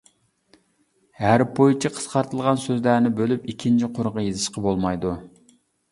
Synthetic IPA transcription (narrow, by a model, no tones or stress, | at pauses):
hæɾpʰojt͡ʃʰɑqʰə̥sqɑɾt̪ʰɨlˠʁɑnsøzlæɾnɪbølypikʲʰint͡ʃʰiqʰʊɾʁɑjezɨʃqɑbolˠmɑjd̪u